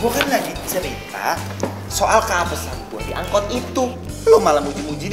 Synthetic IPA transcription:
ɡokanːadit͡ʃəɾit̪a̰ | soʔalkaːpəsant̪uadiʔa̰ŋkɔt̪̚it̪u | lomalamud͡ʒimud͡ʒi

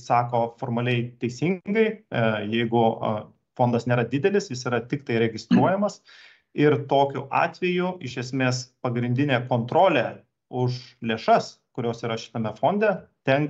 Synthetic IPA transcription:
sɑːkoːfoːrmɐlʲɛɪt̪ʲɛɪsʲiŋɡɐɪjɛɪɡʊ | foːnd̪ɐsnʲeːɾɐd̪ʲɪd̪ʲɛlʲɪsjɪsiːɾɐt̪ʲɪkt̪ɐɪɾʲɛɡʲɪst̪ɾuɔjɛmɐs | ɪɾt̪oːkʲʊʔɑ̰ːt̪ʲʋʲɛjʊɪʃʲɛsʲmʲeːspɐɡɾʲɪnʲd̪ʲɪnʲeːkoːnt̪ɾoːlʲe | ʊʃlʲeːʃɐs | kʊɾʲoːsiːɾɐʃʲɪ̥t̪ɐmʲɛfoːnʲd̪ʲɛt̪ʲɛŋk

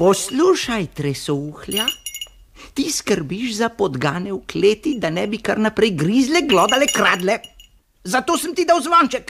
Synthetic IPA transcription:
pɔsluːʃajt̪ɾesɔuːxlʲja | t̪iskəɾbiʒzapɔd̪ɡaːnɛwkleːt̪id̪anɛːbikaɾnapɾɛjɡɾizlɛɡlɔːd̪alɛkɾaːd̪lɛ | zat̪oːsəmt̪id̪awzʋant͡ʃɛk

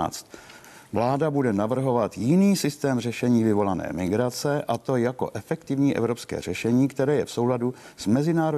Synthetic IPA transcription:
t͡st̪ | vlaːdabudɛnavr̩ɦo̞vat̪jɪniːsɪst̪ɛːmrɛʃɛɲiːvɪvo̞lanɛ̰ːmɪɡɾat͡sɛʔat̪o̞jako̞̰ʔɛfɛkt̪ɪvɲiːʔɛ̰vɾo̞pskɛ̰ːr̝̥ɛʃɛɲiːkt̪ɛɾɛːjɛfso̞wladu | z̥mɛzɪnaːɾo

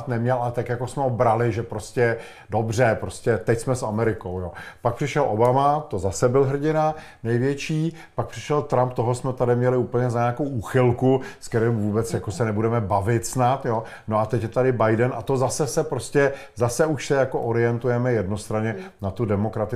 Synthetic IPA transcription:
t̪nɛmɲɛlʔalɛt̪akjakosmɛobɾalɪʒɛpɾo̞scɛ | dobr̝ɛpɾo̞scɛt̪ɛcsmɛsamɛɾɪkowjoːpak̚pr̥ɪʃɛlʔobamat̪o̞zasɛbɪlɦr̩ɟɪna | nɛjvjɛt͡ʃiː | pak̚pr̥ɪ̥ʃɛlt̪ɾamp̚t̪oɦosmɛt̪adɪmɲɛlɪuːpl̩ɲɛzaɲaːkowʔuːxɪlkuskɛɾɛmvuːbɛt͡sjakosɛnɛbudɛmɛbavɪt̪snat̪jo̞ | no̞at̪ɛcjɛt̪adɪbajdɛnʔa̰t̪o̞zasɛsɛpɾoscɛ | zasɛuʃsɛjako̞ʔoɾɪjɛnt̪ujɛmɛjɛdno̞st̪ɾaɲɛnat̪udɛmo̞kɾat̪ɪ

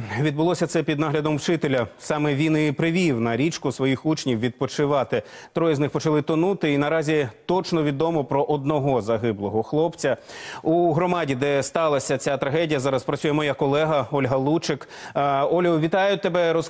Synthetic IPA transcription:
ʋʲid̪bʊlˠɔsʲɐt̪sɛpʲid̪nɑɦlʲɐd̪ɔmwt͡ʃɪt̪elʲɐsɑmɛʋʲinɪpɾɪʋʲiwnɐɾʲit͡ʃkʊsʋɔjixut͡ʃnʲiwʋʲid̪̚pɔt͡ʃɪʋɑt̪ɪ | t̪ɾɔjɛznɪxpɔt͡ʃɐlˠɪt̪ɔnut̪ɪinɐɾɑzʲit̪ɔt͡ʃnɔʋʲid̪ɔmɔpɾɔʔɔd̪̚nɔɦɔzɐɦɪblˠɔɦɔxlˠɔpt͡sʲɐuɦɾɔmɑdʲid̪ɛst̪ɑlˠɐsʲɐt͡sʲat̪ɾɐɦɛdʲijɐzɑɾɐspɾɐt͡sʲujɛmɔjakɔlˠɛɦɐɔlʲɦɐlˠut͡ʃɪk | ɔlʲɦɔʋʲit̪ɑjʊt̪ːebɛɾɔs

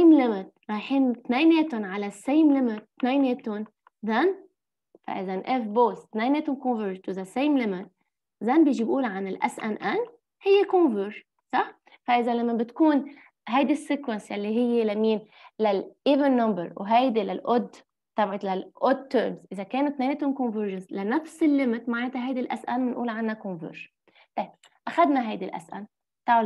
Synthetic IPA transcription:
sejmlɪmɪt̪̚ɾɑjħint̪neːmeːt̪ʊnʕalasejmlɪmɪt̪ːneːjmeːt̪ʊn | ðan | fa̰ʔɪzanʔɛfboːst̪naːjmeːt̪ʊnkɔ̃nvəɾt̪ðasejmlɪmɪt̪̚ | zanbiːʒibʔuːlʕanɪlʔa̰sʔanʔan | hɪjːekonvəʒ | sˤɑħ | faʔɪzalamːabɪt̪kuːn | ɦajd̪isːikwɛnsjalːiɦɪjːelamiːn | lalʔivənːambəɾwɦajd̪ilalʔʊd̪ | t̪abʕɪt̪lalʔʊd̪̚t̪ːəːɾmzʔɪzakeːnut̪ːmeːnɪt̪ʊnkɔ̃nvəɾʒanslanafsɪlːɪmɪt̪maʕɪnt̪aɦajd̪ilʔa̰sʔanmɪnʔṵːlʕanːakɔnvə̰ːɾʒ̥ | t̪ˤɑjb̚ | ʔaxad̪naɦajd̪ilʔa̰sʔa̰n | t̪a

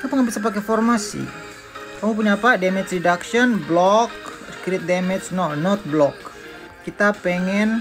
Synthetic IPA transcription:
apaŋabisap̬akɛfɔrmasḭ | kamup̬uɲapadɛmɛt͡ʃɾidaksiɔnblɔkskɾɪt̪̚dɛmɛt͡ʃnɔnɔt̪̚blɔkː | it̪apɛŋɛn

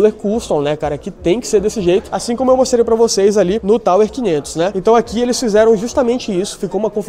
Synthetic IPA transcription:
leɾkust̪õnɛkaɾɐkɪt̪ẽj̃kɪ̥seɾd̪esɪʒejt̪ʊ̥asĩkõmʊewmost̪ɾejpɾɐvosejzalinʊt̪aweɾkĩɲẽnt̪ʊ̥snɛẽnt̪ɐ̃w̃akielɪsfizɛɾɐ̃w̃ʒust̪amẽnt͡ʃɪisʊ̥fikowũmɐkõf

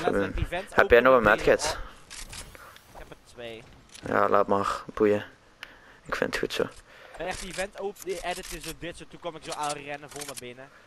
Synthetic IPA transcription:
ivɛhɛpjɛnɔxənmɛtxɛt | kɛpətʋeː | ja̰ːlʔaːtmaːrb̥ujə | ɪkfɪ̰nətxutso̰ː | ɛχtivɛntowpʔɛdətɪsodɪtsotukɔmɪksoalrɛnəvolˠnəbɪnə

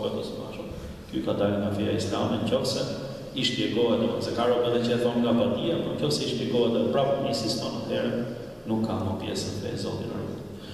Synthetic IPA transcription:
vɛd̪ɔstaʃɔ | kykad̪aluŋɡafiaislamɛɲcɔfsɛ | iʃp̪iɛɡɔɦɛt̪ɲɔzɛkaɾɔbɛðɛt͡ʃəɛθɔnŋɡabat̪iapɔɲcɔfsɛiʃt̪ɛɡɔɦɛt̪ɛpɾapəmisist̪ɔnat̪ɛɾɛ | nukʰːamɔpjɛ̰səndɛ̰zɔd̪inɛ̰ɾṵt̪

